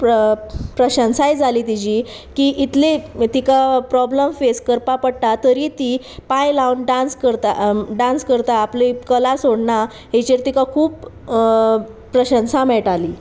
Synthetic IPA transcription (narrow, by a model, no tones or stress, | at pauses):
pɾəɕə̃nsajd͡zʱaliːt̪id͡ʑiː | kiʔit̪let̪ikapɾɔbləmfeskəɾpapəɽt̪at̪əɾit̪i | pãjlawnɖãnskəɾt̪aɖãnskəɾt̪aːplikəlasoɽɳa | ɦet͡ɕeɾt̪ikakʰuːp | ɾəɕə̃nsãmɛʈaliː